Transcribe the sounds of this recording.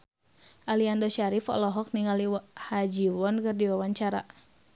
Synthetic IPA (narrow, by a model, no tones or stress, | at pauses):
ʔaliandɔʃaɾifɔ̰lɔɦɔk̚niŋalihad͡ʒiwɔnkɨrdiwawaɲt͡ʃaɾa̰